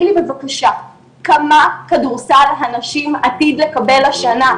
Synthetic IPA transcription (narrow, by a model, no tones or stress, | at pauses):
libevakaʃa | kamakaduʁsalɦanaʃimat̪id̪le̞kabe̞laʃana